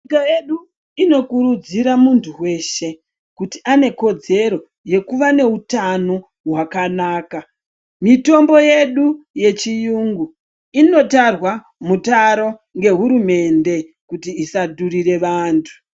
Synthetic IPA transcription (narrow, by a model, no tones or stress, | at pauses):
kajeɗu | ino̞kuɾud͡ziɾamuntʰuwe̞ʃe̞ | kutiʔane̞ko̞d͡ze̞ɾo̞ | je̞kuʋane̞utano̞ | ɦwakanaːka | mito̞mbo̞jeɗuje̞t͡ʃijuŋɡu | ino̞tarwa | mutaɾo̞ŋɡe̞ɦuɾume̞nde̞ | kutiːsaduriɾe̞ʋaːntʰu̥